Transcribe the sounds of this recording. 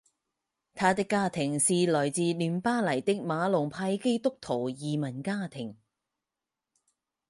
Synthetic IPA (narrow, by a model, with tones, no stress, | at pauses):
t̪ʰaː˨˧t̪ɪ˥kːaː˥t̪ʰɪ˨˩ŋsiː˨lɔː˨˩jt͡siː˨lyː˨˩mpaː˥lɐ˨˩jt̪ɪ˥k̚maː˨˧lʊ˨˩ŋpʰaː˧jke˥jt̪ʊ˥k̚t̪ʰo˨˩wjiː˨mɐ˨˩nkaː˥t̪ʰɪ˨˩ŋ